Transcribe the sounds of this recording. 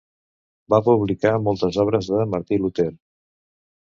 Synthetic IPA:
bapuβlikamɔlˠt̪əzɔβ̞ɾəzðəməɾt̪ilut̪eɾ

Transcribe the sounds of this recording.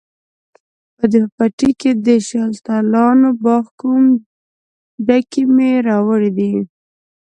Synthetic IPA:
pəd̪əpaʈiked̪əʃɑlt̪ɑlɑnobɑxkum | ɖakimeɾɑwəɽid̪i

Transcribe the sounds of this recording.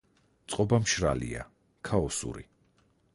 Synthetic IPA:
t̪sʼqʼɔbamʃɾa̰lia | kʰaɔsṵɾḭ

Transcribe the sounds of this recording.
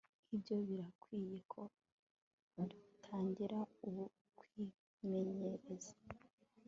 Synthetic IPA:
ibɟo̞βiɾakwiːje̞kʰo̞ | dutʰaːɲɟiɾauβu | kwi | me̞ɲeɾe̞za

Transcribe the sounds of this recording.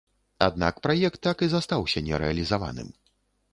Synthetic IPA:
a̰d̪̚na̰kpɾajɛk̚t̪ːakɨzast̪awsʲɐnʲɛ̰ɾɛ̰ɐlʲizava̰nɨ̰m

